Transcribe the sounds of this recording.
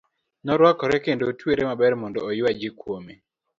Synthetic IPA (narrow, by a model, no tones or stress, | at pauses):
nɔɾwakɔɾɛkendotweɾemabɛrmɔndɔːjʊwad͡ʒikwome